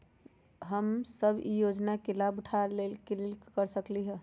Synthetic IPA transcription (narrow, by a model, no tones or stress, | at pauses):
ɦəmsəbʱḭjod͡ʒnakelabuʈʰalelkelelkəɾsəkliɦɛ